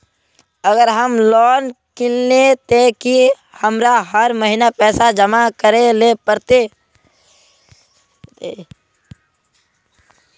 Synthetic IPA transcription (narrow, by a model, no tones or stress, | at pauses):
əɡəɾɦəmlɔːnkɪlnet̪eki | həmɾaɦəɾməɦinapɛːsad͡ʒəmakəɾelepəɾt̪e